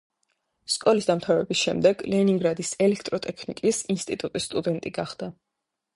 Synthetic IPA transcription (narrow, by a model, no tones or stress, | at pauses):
skʼɔlisd̪amt̪ʰavɛbisʃɛ̰md̪ɛɡlɛniŋɡɾad̪isɛlɛkʰt̪ʼɾɔt̪ʼɛkʰnḭkʼisinst̪ʼit̪ʼut̪ʼisːt̪ʼud̪ɛnt̪ʼiɡaχd̪a